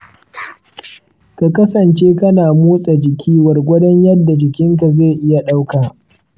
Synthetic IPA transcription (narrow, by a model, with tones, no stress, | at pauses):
ka˨kɐ˦sɐ˨nt͡ʃeː˦kɐ˦naː˨muː˦sʼa˨d͡ʒɪ˨kʲʰiː˦wɐ˨rɡʷʊ˦dɐ˦ɲjɐ˦dːa˨d͡ʒɪ˨kʲɪ˦ŋka˨ze˦˨ʔɪ˦ja˨ɗa˦wkaː˨